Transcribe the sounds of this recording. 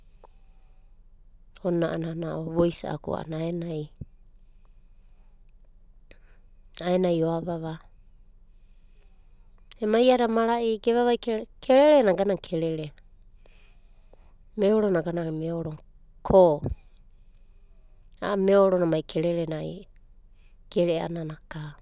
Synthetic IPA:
onaʔananaʔoβojsa̰ʔa̰kṵa̰a̰naaenaj | aenajoaβaβa | emajaɾamaɾaʔiɡeβaβajkʰeɾeɾenaɡanaŋkʰeɾeɾe | meoɾonaɡanameoɾoŋ | kʰo | a̰meoɾonamajkʰeɾeɾenaj̰ | keɾea̰nanaka

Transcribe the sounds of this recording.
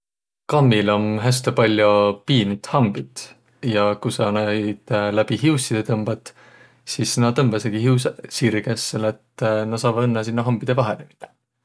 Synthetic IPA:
kɑmːilo̞mɦæst̪epɑlʲjopiːnut̪hɑmbit̪ | jɑkusɑnæjd̪̥læb̥iɦiusid̪̥et̪ɤmb̥ɑt̪ˑ | sisːnɑt̪ɤmb̥ɑseɡiiussiːɾiɡæsːelet̪ːnɑsɑːvɑd̪enːɑsinːɑɦɑmb̥id̪e̞vɑɦenemi̥t̪ːˑe̥

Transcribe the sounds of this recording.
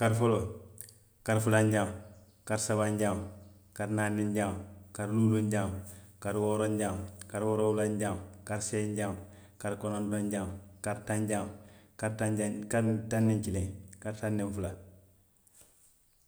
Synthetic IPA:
kaɾfolo | kaɾfulaɲɟam | kaɾsabaɲɟam | kaɾnaːnːiɲɟamkaɾluːloɲɟamkaɾwoːɾoɲɟamkaɾwoɾoulaɲɟamkaɾseːɲɟam | kaɾkonondoɲɟamkaɾtaɲɟamkaɾtkaɾtanːiɲkilẽŋkaɾtanːiɱfula

